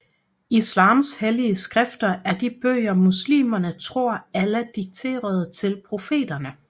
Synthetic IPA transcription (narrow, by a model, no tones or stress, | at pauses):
islɑ̈ːmsheliəsɡ̥ʁɛfd̥ɐʔæɐd̥ib̥øːɪɐmuslḭːmɐnət͡sʰʁo̝ɐ̰æləd̥iɡ̥̚t͡sʰe̝̰ːɐð̞ˠt͡sʰe̝lpʰʁo̝fe̝̰ːd̥ɐnə